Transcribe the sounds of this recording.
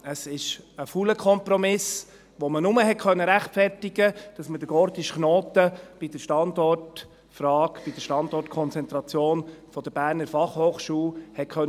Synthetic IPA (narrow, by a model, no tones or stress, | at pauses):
əsɪʃəfuləkʰɔmpɾɔmɪs | ʋomənʊməɦɛtkʰœnːəɾæχtfɛɾtɪɡəd̥ɑsmədəɡ̥ɔɾtɪʃχnoːtəb̥id̥əʃtɑndɔrt | frɑːkb̥id̥əʃtɑndɔrtkʰɔnt͡sɛnt̪ɾɑt͡sjoːnfɔd̥əbæːɾnəɾfɑχhoːχʃuːlhɛt̚kʰœn